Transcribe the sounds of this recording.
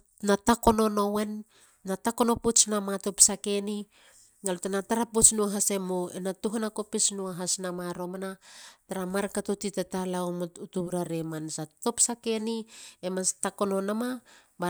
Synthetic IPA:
natako̞no̞no̞we̞nː | atako̞no̞put͡ʃnamato̞psake̞ni | ŋalutanataɾapot͡ʃnuaɦase̞moenatuɦanako̞pesnuaɦasnamaɾo̞manataɾamaɾkatotitatalaomutuβɾaɾe̞mansato̞psake̞niemastako̞nonama | ba

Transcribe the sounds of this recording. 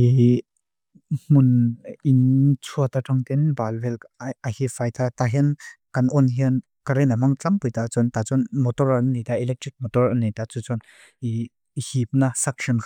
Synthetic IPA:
i | m̥ʊnint͡sʰuɐt̪atʰaŋt̪ɛnbalbɛlahifajt̪ʰat̪aɦinkɐnʔɔnɦin | kaɾɛnamaŋt͡sampujt̪at͡sɔnt̪at͡sɔnmɔtɔranːit̪aʔilɛk̚tɾik̚mɔtɔranːit̪at͡sut͡sɔn | i | hip̚nasak̚ʃɔnkʰ

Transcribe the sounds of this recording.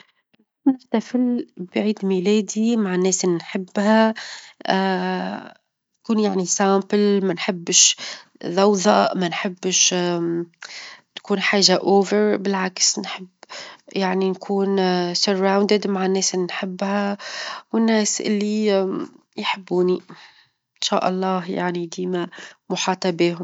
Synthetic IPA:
nɪħt̪afɪlbʕiːd̪milɛːd̪imaʕnːɛːsʔɪlːinħɪbːha | t̪kuːnjaʕnisaːmplmænħɪbːʃðˤɑwðˤɑʔmanħɪbːʃ | t̪kuːnħaːʒaʔoːvəɾbɪlʕaksnħɪbːjaʕninkʰuːnsʊɾːawnd̪ɪd̪maʕɪnːeːsʔɪlːinħɪbːhawɪnːeːsʔɪ̰lːi | jħɪbːuːni | ʔɪnʃa̰ːʔɑlˤːɑːhja̰ʕnid̪iːmamʊħɑːt̪ˤɑbeːɦʊm

